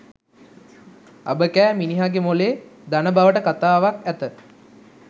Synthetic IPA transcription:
a̰bəkæːminiɦaɡemoleːd̪anəbaʋəʈəkat̪aːʋakæt̪ə

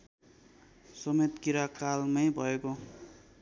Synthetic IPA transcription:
sʌmet̪kiɾakalmʌjbʱʌeko

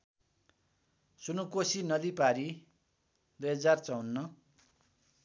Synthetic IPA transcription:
sunukosinʌd̪ipaɾi | d̪ujɦʌd͡zart͡sʌwnːʌ

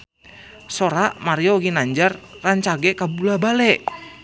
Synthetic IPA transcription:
soɾaʔmaɾiɔɡinaɲd͡ʒarːaɲt͡ʃaɡɛkabulabalɛʔ

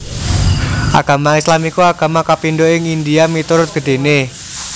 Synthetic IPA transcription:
ʔa̰ɡ̥a̤maislamikuaɡ̥ä̤makapindoɪŋindiamit̪uɾʊt̪̚ɡ̥ə̤ɖ̥e̤ne

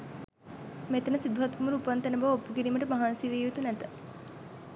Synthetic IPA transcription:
met̪ənəsid̪uɦat̪kumuɾəupant̪ænəbaʋopːukiɾiːməʈəmaɦansiʋeːjut̪unæt̪ə

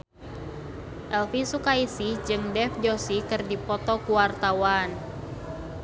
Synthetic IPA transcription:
ʔɛlfisukaisid͡ʒɨŋdɛfd͡ʒɔsikɨrdipɔt̪ɔkuwart̪awan

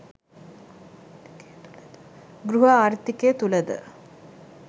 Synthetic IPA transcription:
ɡɾuɦɐaːɾt̪ːiket̪ulɐd̪ə̰

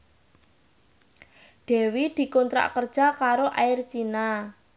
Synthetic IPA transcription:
ɖ̪̥ɛ̤wid̪̥i̤kont̪ɾa̰ʔkərd̥ʒ̥a̤kaɾoʔaɪrt͡ʃina

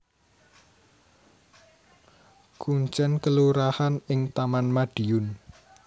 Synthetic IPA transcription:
kuɲt͡ʃɛnkəluɾahanɪŋt̪amanmaɖ̥iʊn

